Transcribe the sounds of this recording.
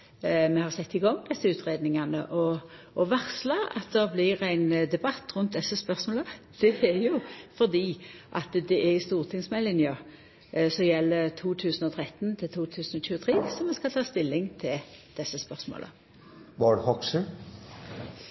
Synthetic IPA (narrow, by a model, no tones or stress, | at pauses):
mɛhɑʁsɛt̪ːɪɡɔŋːd̪ɛsːəʉːt̪ʁeːd̪nɪŋɑnə̰ʔɔː | ʋæʁslɑɑ̰t̪d̪ɛblɪɾæɪnd̪ɛbɑt̪ːʁʉnt̪̚d̪ɛsːəspœʁsmoːləd̪̥ɛɛɾjʊfɔd̪iːʔɑt̪d̪ɛʔɛɪst̪uːʁt̪ʰɪŋsmɛlɪnjɑ | sɔjɛlːət̪ʰuːt̪ʰʉːsənɔt̪ʰɾɛt̪ːnt̪ʰɪlt̪ʰuːt̪ʰʉːsən̩ɔçʉːət̪ʰʁiːsɔmɛskɑlt̪ʰɑːst̪ɪlːɪŋt̪ʰɪld̪̥ɛsːəspœʁsmo̰lə̰ | ʋɑɖhɔksə